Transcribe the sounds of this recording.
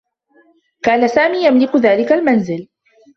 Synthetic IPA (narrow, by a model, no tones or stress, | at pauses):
kaːnasaːmiːjamlɪkʊðaːlɪkalmanzɪl